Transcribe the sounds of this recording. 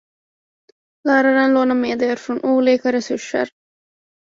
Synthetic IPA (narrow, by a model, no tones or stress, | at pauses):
laːɾaɾanloːnameːd̪jɑɾfɾoːnʔuliːkaɾɛsʊʂa̰ɾ